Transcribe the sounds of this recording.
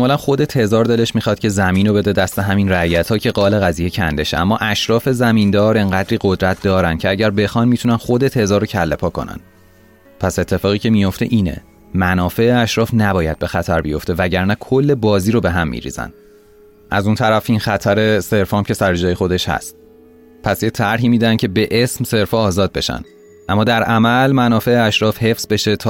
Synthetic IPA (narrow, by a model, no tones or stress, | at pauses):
mulænxo̞d̪e̞t̪ʰe̞zɒːɾd̪e̞le̞ʃmixɒːd̪̚cʰe̞zæmiːnobe̞d̪ed̪æst̪eɦæminræjæt̪ʰhɒːcʰe̞ɡɒːle̞ɣæzijecʰænd̪e̞ʃeæmːɒːʔæʃɾɒːfe̞zæmind̪ɒːɾe̞ŋɢæd̪ɾiːɣo̞d̪ɾæt̪̚ʰd̪ɒːɾæncʰe̞æɟæɾbe̞xɒːnmitʰunænxo̞d̪e̞t̪ʰe̞zɒːɾocʰælːepʰɒːkʰo̞̰næ̰n | pʰæse̞t̪ʰːe̞fɒːɣiːcʰe̞mijo̞ft̪e̞̰ʔiːne̞̰ | mænɒːfe̞eæʃɾɒːfnæbɒːjæd̪̥̚be̞xæt̪ʰæɾbijo̞̰ft̪e̞væɟæɾnækʰo̞lːe̞bɒːziːɾobe̞ɦæmːḭɾḭːz̥æ̰n | ʔæzunt̪ʰæɾæfiːnxæt̪ʰæɾe̞se̞ɾfɒmcʰe̞sæɾed͡ʒɒːjexo̞d̪e̞ʃhæ̰st̪ | pʰæsjet̪ʰæɾɦiːmiːd̪ænd̪cʲʰe̞be̞ʔesmse̞ɾfɒːzɒːd̪̚be̞ʃæ̰n | ʔæmːɒːd̪æɾʔæmælmænɒːfe̞eæʃɾɒːfhe̞fz̥be̞ʃe̞t̪ʰɒː